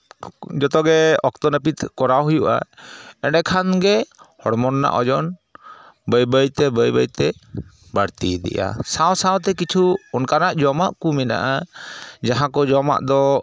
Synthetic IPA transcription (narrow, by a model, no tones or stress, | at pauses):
d͡ʒɔt̪ɔɡɛɔk̚t̪ɔnəpit̪kɔɾaɦujuʔa̰ɛɖɛkʰanɡɛhɔɽmɔnːa̰ʔɔd͡ʒɔn | bəjbəjt̪ɛbəjbəjt̪ɛ | baɽt̪id̪ɛ̰ʔa̰sawsawt̪̬ɛkit͡ʃʰuɔnkanaʔd͡ʒɔmaʔkumɛna̰ʔad͡ʒaɦãkɔd͡ʒɔma̰ʔd̪ɔ